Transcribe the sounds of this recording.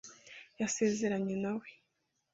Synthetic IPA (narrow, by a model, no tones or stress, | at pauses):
jase̞ːze̞ɾaɲenawe